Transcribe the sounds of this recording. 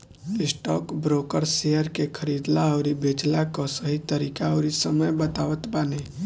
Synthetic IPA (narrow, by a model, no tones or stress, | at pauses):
ɪsʈɔːkbɾoːkəɾsejəɾkekʰəɾiːd̪laɔɾibeːt͡ʃlakɔsəɦit̪əɾiːkaɾisəməjbət̪aːʋət̪baːne